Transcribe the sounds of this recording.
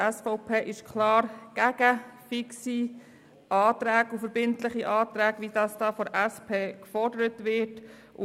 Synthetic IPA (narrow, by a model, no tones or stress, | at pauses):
æsfɔʊpʰeːʔɪʃkʰlɑːɾɡ̥æɡ̥əfɪksi | ʔɑːtɾæːɡufəɾbɪntləχiʔɑːt̪ɾæːɡʋid̥ɑsd̥ɑːfɔɾʔæspʰeːkfɔɾdəɾətʋɪɾt | ʊ